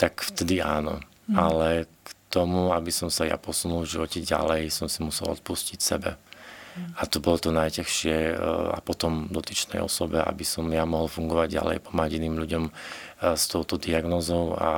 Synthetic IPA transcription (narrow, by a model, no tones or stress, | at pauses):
t̪akft̪ɛd̪iaːnɔ̰ | alɛkt̪ɔmuabisɔmsaja̰pɔsunulvʒiʋɔcɛɟa̰lɛjsɔmsimusɛlɔ̰t̪̚puscicsɛbɛ̰ | at̪ɔbɔlɔt̪ɔnajcɛxʃɪɛa̰pɔt̪ɔmd̪ɔt̪it͡ʃnɛ̰jɔ̰sɔbɛʔa̰bisɔmjamɔɦɔlfuŋɡɔʋaɟɟa̰lɛ̰jpɔmaɟiniːmʎuɟɔm | st̪ɔʊt̪ɔd̪iaɡnɔːzɔʊa̰